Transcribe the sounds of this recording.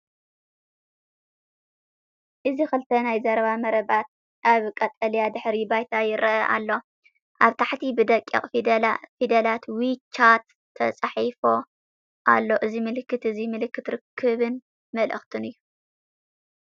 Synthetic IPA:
ʔɨzixɨlt̪ʰɐnajzɐɾβamɐɾɐbat̪̚ | ʔaβkʼɐt̪ʼɐljad̪ɨħɾibajt̪ʰajɪɾɐʔɐʔa̰lːo̞ | ʔaβt̪ʰaħt̪ʰibɨd̪ɐkʼːḭχʼid̪fid̪ɐlat̪wit͡ʃːat̪ʰː | ɐt͡sʼaħifo̞ | ʔa̰lːo̞ʔɨzimɨlɨkːɨt̪ɨzimɨlɨkːɨt̪ɾɨkʰːɨβɨn | mɐlʔɐ̰xt̪ʰɨnɨjːu

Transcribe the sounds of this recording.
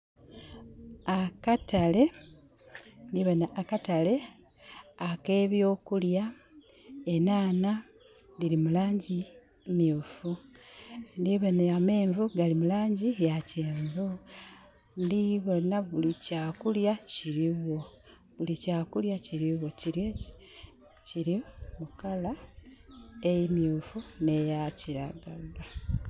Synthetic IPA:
akatale̞ | ndiβonaʔːkatale̞ | ake̞ːβjo̞ːkulja | enaːna | dilimulaːɲɟi | miuːfu | ndiβoneame̞ːɱvuɡalimulaːɲɟijaceːɱvu | ndiβo̞naβulicaːkuljaciɾiwo̞ | βulicaːkuljaciɾiwo̞ciɾjo | ciɾimukala | ejimjuːfunejaciɾaɡala

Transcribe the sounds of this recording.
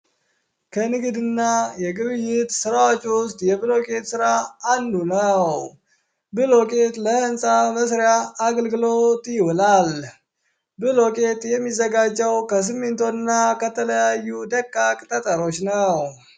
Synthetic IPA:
kʰənɨɡɨd̪ɨnːajɛɡɨβɨjːɪt̪sɨɾawot͡ʃːwʊst̪ʼjɛbɨlo̞kʼe̞t̪sɨɾaand̪unəw | bɨlo̞kʼe̞t̪ləhɨnsʼaməsɾejaːɡəlɡɨlo̞t̪ʼjɪwɔlal | bɨlo̞kʼe̞t̪jɛmːizːəɡad͡ʒːɛwkəs̬ɨmːɨnt̪ʰonːakət̪ʰələjajːud̪əkʼːakʼt̪ʼət̪ʼəɾo̞t͡ʃːnəw

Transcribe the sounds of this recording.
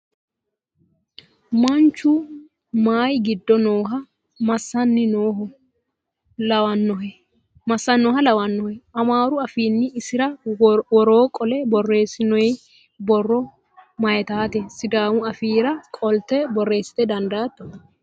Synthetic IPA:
mɐnt͡ʃːʊ | maːjɡɪd̪ːɔnoːɦɐ | mɐsːɐnːɪnoː | lɐwɐnːɔɦɛ | mɐsːɐnːoːɦɐlɐwɐnːɔhɛʔɐmaːɾʊɐfiːnːɪɪsɪɾɐwɔɾoːkʼɔlɛbɔrːe̞ːsɪnɔj | bɔrːɔ | mɐjɛt̪aːt̪ɛsɪd̪aːwʊɐfiːɾɐkʼɔlt̪ɛbɔrːe̞ːsːɪ̥t̪ɛd̪ɐnd̪aːt̪ːɔ̥

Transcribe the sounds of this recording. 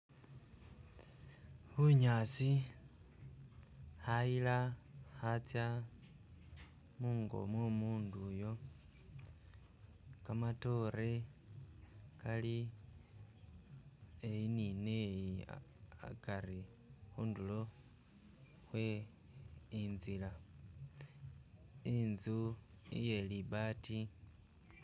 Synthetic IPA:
huɲaːsi | hajilahat͡sja | muːŋɡo̞̰mwomuːnduːjo̞ | kamato̞ɾe̞ | kali | ejininejia̰kaɾi | xuːndulo̞ | xwe | inzila | inzu | ḭje̞liβaːti

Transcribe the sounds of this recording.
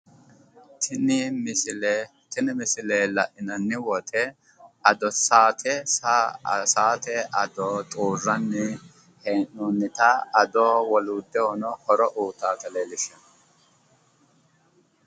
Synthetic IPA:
t̪nɪml | t̪ɪnɪmɪsɪleːlɐʔɪnɐnːɪwɔt̪ʰɛ | ɐd̪ɔsaːt̪ʰɛ | saːt̪ɛʔɐd̪oːt̪ʼuːrːɐnːɪ | heːnːunːɪt̪ɐɐd̪oːwɔluːd̪ːɛwɔnɔhɔɾɔʔuːt̪aːt̪ɐleːlɪʃɐ

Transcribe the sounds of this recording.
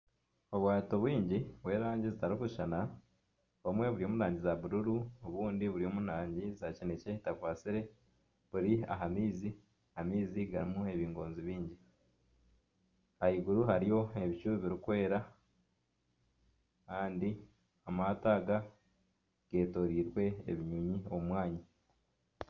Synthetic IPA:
o̞βwaːtoβwiːɲɟiβwe̞ːɾaːɲɟizitaɾokuiʃana | βoumwe̞βuɾio̞ːmunaːɲɟizaβuɾuɾuoβuːndiβuɾio̞ːmunaːɲɟizacinece̞takwaːt͡siɾe̞ | βuɾia̰ɦamiːzi | hamiːziɡaɾimue̞βiːŋɡo̞ːnziβiːɲɟi | ahiɡuɾuɦaɾijo̞e̞βit͡ʃuːβiβiɾikwe̞ːɾa | kaːndi | amataːɡa | ɡ̥e̞ːto̞ɾiːɾwe̞̰ːβiɲuɲioumwaːɲa

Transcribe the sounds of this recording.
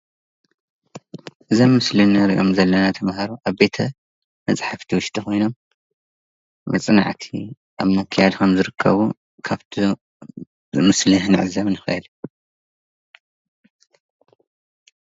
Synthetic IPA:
ʔɨzomːɨslinɨɾʔomzɐlːɐnat̪ʰɐmhɐɾuʔaβbe̞t̪ʰɐ | mɐt͡sʼħaft̪ʰiwʊʃt̪ʼixo̞jno̞m | mɐ̰t͡sʼɨna̰ʕt̪ʰi | ʔaβmɐkʰjad̪kʰɐmzɨɾɨkʰːɐ̰βu | kʰaβt̪ʰi | ɨmɨslɨhnɨʕɨzɐβnɨxɐ̰ʔɨl

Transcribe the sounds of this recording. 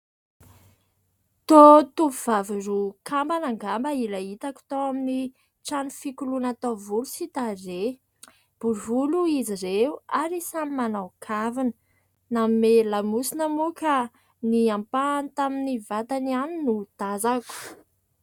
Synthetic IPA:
t̪ot̪upuv̥avirukʰambanaŋɡambəilaɦit̪aku̥t̪oamini | ʈ͡ʂanufikulunat̪avulusit̪are | b̥uɾvuluiziɾeuaɾisamimanawkʰavinə | namimelamusinəmuka | niampant̪aminivat̪anianinud̪̥azaku̥

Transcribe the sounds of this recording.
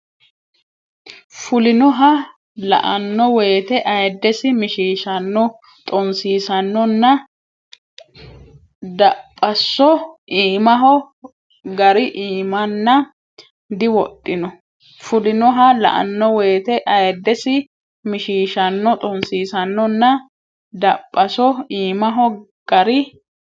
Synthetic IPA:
fʊlɪnɔɦɐ | lɐ̰ʔɐnːɔwejːt̪ɛʔɐjɐd̪ːɛsɪmɪʃiːʃɐnːɔ | t̪ʼɔnsiːsɐnːɔnːɐ | d̪ɐpʼːɐsːɔʔiːmɐɦɔ | ɡɐɾɪʔiːmɐnːɐ | d̪ɪwɔt̪ʼːɪnɔ | fʊlɪnɔɦɐlɐ̰ʔɐ̰nːɔweːt̪ɛʔɐjd̪ːɛsɪ | mɪʃiːʃɐnːɔt̪ʼɔnsiːsɐnːɔnːɐ | d̪ɐpʼːɐsɔiːmɐɦɔ | ɡ̥ɐɾɪ

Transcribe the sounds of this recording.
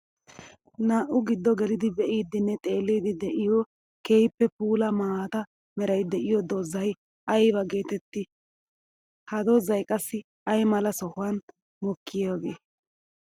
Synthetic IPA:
naːʔʊɡɪd̪ːɔɡɛlɪd̪ɪbɛʔiːd̪ɪnːɛt̪ʼe̞ːlːiːd̪ɪd̪ɛʔɪjɔ | keːjpːɛpuːlɐmaːt̪ɐ | mɛɾɐjd̪ɛʔɪjɔd̪oːzːɐj | ɐjbɐɡe̞ːt̪ɛt̪ːɪ | hɐd̪oːzɐjkʼɐsːɪ | ɐjmɐlɐsɔhʊwɐn | mɔkʰːɪjoːɡeː

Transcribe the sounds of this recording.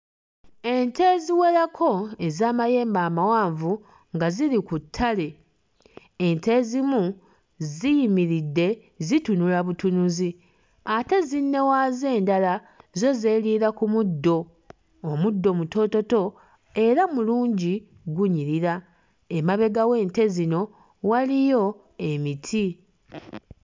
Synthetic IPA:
e̞nte̞ziwe̞lakʰo̞e̞zaːmaje̞ːmbaːmawaːɱvu | ŋɡaziɾikutʰːale̞ | ente̞zimu | zijimiɾidːe̞ | zitunulaβutunuzi | ate̞zinːe̞waːze̞ːndala | zo̞ze̞ːliːɾakumudːo̞ː | mudːo̞muto̞to̞to̞ | e̞ɾamuluːɲɟi | ɡuɲiɾiɾa | emaβe̞ɡawe̞ːnte̞zino̞ | walijo̞ | e̞mitʰi

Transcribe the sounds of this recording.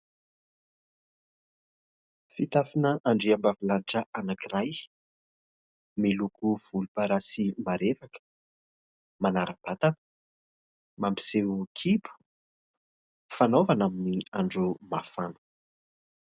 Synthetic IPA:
fit̪afinəʔaɳɖ͡ʐiambavilaniʈ͡ʂəʔanakiraj | melukuv̥ulupəɾasimaɾefakə̥ | manaɾəb̥at̪anə̥ | mampi̥sewkʰipu̥ | fanovanaminiaɳɖ͡ʐumafanu̥

